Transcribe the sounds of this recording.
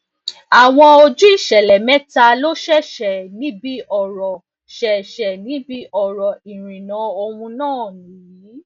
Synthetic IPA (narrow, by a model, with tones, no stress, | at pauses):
a˨w̃ɔ̃˧o˧d͡ʒu˦i˦˨ʃɛ˨lɛ˨mɛ̃˦ta˧lo˦ʃɛ˦ʃɛ˨nĩ˨˦bi˦ʔɔ˦˨ɾɔ˨ | ʃɛ˨ʃɛ˨nĩ˨˦bi˦ʔɔ˨ɾɔ˨i˨ɾ̃ĩ˨nã˨˦o˧wũ˧nãː˦˨nĩː˨˦